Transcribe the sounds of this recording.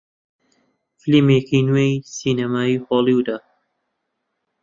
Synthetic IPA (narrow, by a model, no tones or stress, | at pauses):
flimekinwejsiːnamaːixoːlˠiwd̪a